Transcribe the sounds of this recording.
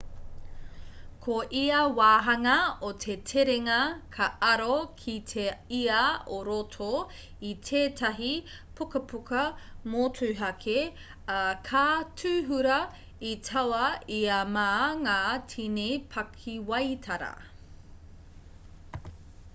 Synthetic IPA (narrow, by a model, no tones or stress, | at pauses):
kʰoʔiɐwaːɦɐŋɐotʰetʰeɾeŋɐkʰɐʔɐɾokʰitʰeiɐoɾotʰo | itʰeːtʰɐɦi | pʰukɐpukɐmotʰʉːɦɐkʰe | ɐkʰaːtʰʉːɦuɾɐ | itʰɐwɐiɐmaːŋaːtʰinepʰɐkʰiwɐjtʰɐɾɐ̰